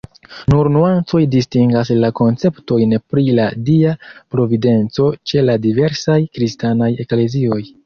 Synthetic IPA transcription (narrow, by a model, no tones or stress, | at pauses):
nuɾnuant͡so̞jdistiŋɡaslako̞nt͡se̞pto̞jnpɾiladiapɾo̞vide̞nt͡so̞t͡ʃe̞ladive̞ɾsajkɾistanaje̞kle̞zio̞j